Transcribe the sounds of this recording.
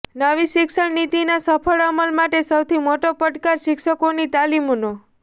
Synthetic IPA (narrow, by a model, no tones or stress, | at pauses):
nəʋiʃɪkʃəɳnit̪inasəpʰəɭəməlmaʈesəwt̪ʰimoʈopəʈkaɾʃɪkʃəkonit̪alimono